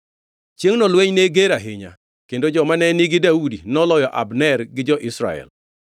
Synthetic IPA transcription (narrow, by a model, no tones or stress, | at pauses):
t͡ʃjeŋnɔlweɲneɡeɾaɦɪɲa̰ | kendod͡ʒɔmanɛnɪɡɪdaudinɔlɔjɔʔa̰bnɛrɡɪd͡ʒɔʔɪsɾa̰ɛ̰l